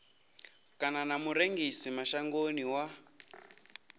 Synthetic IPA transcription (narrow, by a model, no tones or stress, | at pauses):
kananamuɾeŋɡisimaʃaŋɡoniwa